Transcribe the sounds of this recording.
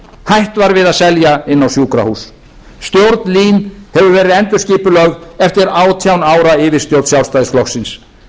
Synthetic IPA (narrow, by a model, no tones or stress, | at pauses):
hajht̪vaɾvɪðaðsɛljaɪnːawsjuːkɾa̰huːsː | t̪jowɾt̪nliːnhɛvʏɾvɛːɾɪðɛnt̪ʏ̥sciːpʏlœɣɛft̪ɪɾaːwt̪ʰjawnaːwɾaɪvɪst̪jowɾt̪sjaw̪st̪aːjðɪsflɔxsɪns